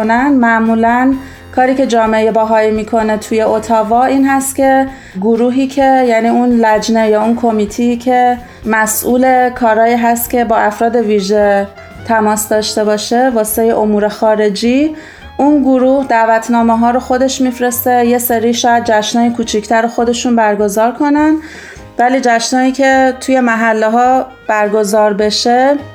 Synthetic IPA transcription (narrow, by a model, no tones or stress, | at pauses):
nænd̪mæʔmuːlæn | kʰɒːɾiːce̞d͡ʒɒːmejebæːɦɒːimiːkʰo̞ne̞t̪ʰuje̞ʔot̪ʰɒːvɒʔiːnɦæst̪cʲʰe̞ | ɡoɾuːɦiːcʰe̞jæniːunlæd͡ʒne̞jɒːunkʰo̞miːt̪ʰiːcʰe̞ | mæsʔuːle̞kʰɒːɾɒːjiːɦæst̪cʲʰe̞bɒːʔæfɾɒːd̪e̞viːʒe̞ | t̪ʰæmɒːsd̪ɒːʃt̪e̞bɒːʃe̞vɒːseejeʔomuːɾe̞xɒːɾe̞d͡ʒiː | unɡoɾuːhd̪æːvæt̪ʰnɒːmeɦɒːɾoxo̞d̪e̞ʃmiːfɾe̞st̪eje̞seɾiːʃɒːjæd̪̚d͡ʒæʃnɒːjikʰuːt͡ʃʰicʰt̪ʰæɾoxo̞d̪e̞ʃunbæɾɡo̞zɒːɾkʰo̞nænd̪ | væliːd͡ʒæʃnɒːiːcʰe̞t̪ʰuje̞mæɦælːeɦɒː | b̥æɾɡo̞zɒːɾbe̞ʃe